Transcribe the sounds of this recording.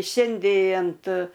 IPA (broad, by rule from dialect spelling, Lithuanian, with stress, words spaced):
ˈʃʲɛnʲdʲeː ɐnt